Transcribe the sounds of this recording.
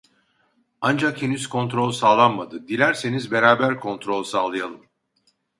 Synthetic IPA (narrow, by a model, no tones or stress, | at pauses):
and͡ʒakhenyz̥kʰo̞nt̪ɾo̞lʲˠsaːlˠanmad̪ɯd̪ilʲæɾse̞nizbe̞ɾaːbæɾkʰo̞nt̪ɾo̞lʲˠsaːlˠɯjalˠɯm